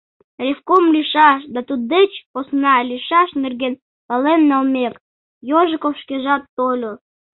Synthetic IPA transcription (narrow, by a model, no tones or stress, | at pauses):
rʲefkomlʲiʃɑʃd̪ɑt̪ut̪̚d̪et͡ɕposnɑlʲiʃɑʃnerɣen | pɑlenːɑlmʲek | joʒəkofʃkeʒɑt̪ːolʲo